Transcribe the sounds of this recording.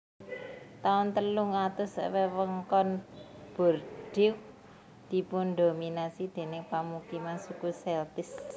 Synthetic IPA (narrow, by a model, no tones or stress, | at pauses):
t̪aʊnt̪əlʊŋat̪ʊswewəŋkɔnb̥ɔ̤rɖ̥ɪk | d̪̥i̤pʊnd̪ominasid̪̥e̤nɪŋpamukimansukusɛlt̪ɪs